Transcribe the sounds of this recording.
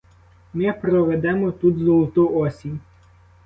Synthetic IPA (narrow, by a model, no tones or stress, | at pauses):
mɪpɾɔʋɛd̪ɛmɔt̪ut̪zɔlˠt̪ʊɔsʲinʲ